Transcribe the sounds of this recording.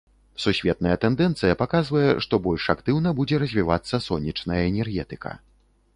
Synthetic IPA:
susʲvʲɛt̪̚nɐjɛt̪ɛnd̪ɛnt̪sɨjɐpakazvɐjɛʂt̪ɔbɔlʲʂakt̪ɨwnɐbud͡zʲɛɾɐzʲvʲivat̪sːɐsɔnʲːit͡ʂnɐjɐɛnʲɛrɣʲɛt̪ɨkɐ̰

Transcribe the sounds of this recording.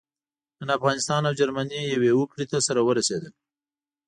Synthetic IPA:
ənafɣɑnɪst̪ɑnawd͡ʒaɾmanijawewəkɽet̪asaɾawəɾased̪əl

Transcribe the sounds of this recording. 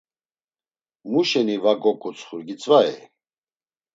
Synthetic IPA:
muʃɛnivaɡɔkʼut͡sʰʼχuɾɡit͡sʼvaɛ̰

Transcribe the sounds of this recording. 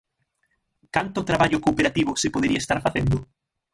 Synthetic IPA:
kant̪ʊt̪ɾaβaʎʊkoːpeɾat̪iβ̞ʊsepoðeɾiaest̪aɾfaθend̪ʊ

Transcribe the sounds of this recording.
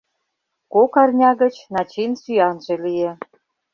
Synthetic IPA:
kokɑrnʲɑɣə̆t͡ɕnɑt͡ɕinsyjɑnʒĕlije

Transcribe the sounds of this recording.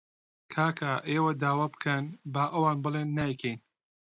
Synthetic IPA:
kʰaːkʰaʔeːwɐd̪aːwaːbɨ̥kʰɐnbaːʔɐwaːnbɨlˠeːnːakʰɛjn

